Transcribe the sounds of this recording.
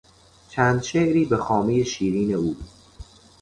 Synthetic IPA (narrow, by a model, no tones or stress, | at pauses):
t͡ʃʰæːnd̪ʃeʔɾiːbe̞xɒːmeje̞ʃiːɾiːne̞uː